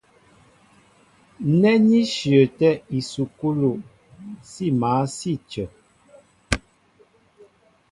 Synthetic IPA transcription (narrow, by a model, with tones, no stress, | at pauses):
nɛ˦ɲi˦ʃjə˨tɛ˦i˨su˨ku˦lo˨ | si˦˨maː˨˦si˦˨t͡ʃə˨